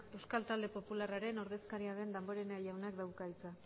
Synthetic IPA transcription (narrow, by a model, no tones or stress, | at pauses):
e̞wskalt̪ald̪e̞po̞pularaɾe̞no̞ɾðe̞skaɾiaðe̞nd̪ambo̞ɾe̞naʝawnakd̪awkait͡sa